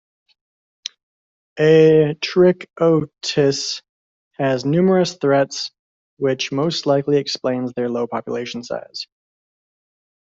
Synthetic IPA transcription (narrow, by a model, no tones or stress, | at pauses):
ʔɨtʰɹ̥ɪkoʊtʰɪs | hɨznʉmə˞ɨsθɹɛts | wɪt͡ʃmoʊstˡlaɪkliɨksplẽɪ̃nzðə˞loʊpʰɑpjə̰leɪʃn̩sa̰ɪz̥